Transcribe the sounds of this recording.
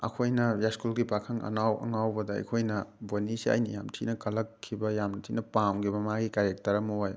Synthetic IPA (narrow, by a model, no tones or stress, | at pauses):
ɐ̰kʰojnɐjaskulɡipakʰɐŋɐ̰nawɐ̰ŋawbɐdɐɐ̰jkʰojnɐbonisia̰jnijamtʰinɐkɐlɐkʰːibɐjamntʰinɐpamɡibɐmaɡikaɾek̚tɐɾɐmɐwoj